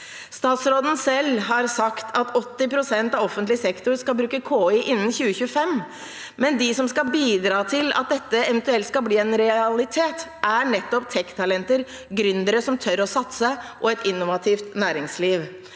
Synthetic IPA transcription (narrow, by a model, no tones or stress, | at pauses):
st̪ɑːt̪sɾoːd̪n̩sɛlɦɑɾsɑkt̪ʰɑt̪ɔt̪ːɪpʰɾʊsɛnt̪ɑːʋɔfənt̪lɪsɛkt̪ʊɾskɑlbɾʉːkəkʰoːɪʔɪnːən̩çʉːəçʉːəfɛm | mɛnd̪ɪsɔmskɑbiːd̪ɾɑːt̪ʰɪlɑ̰t̪̚d̪ɛt̪ːəɛʋɛnt̪ʉɛlt̪skɑbliːɛnɾɛɑlɪt̪ʰeːt̪ʔæɳɛt̪ːɔpt̪ʰɛkːt̪ʰɑlɛnt̪əɾ | ɡɾʏnd̪əɾəsɔmt̪ʰœɾɔsɑt̪səʔɔɛt̪ɪnːʊʋɑt̪ʰiːft̪næːɾɪŋsliːʋ